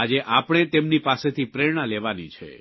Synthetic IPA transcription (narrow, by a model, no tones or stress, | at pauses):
ad͡ʒeʔapɽ̃et̪emnipaset̪ʰipɾeɾɽ̃aleʋanit͡ʃʰḛ